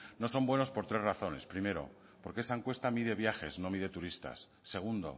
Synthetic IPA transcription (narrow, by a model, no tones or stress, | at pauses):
no̞so̞mbwe̞no̞spo̞ɾt̪ɾe̞zraθo̞ne̞̰spɾime̞ɾo̞̰ | po̞ɾke̞saeŋkwe̞st̪amiðe̞β̞jaxe̞sno̞miðe̞t̪uɾist̪a̰sːe̞ɣ̞und̪o̞̰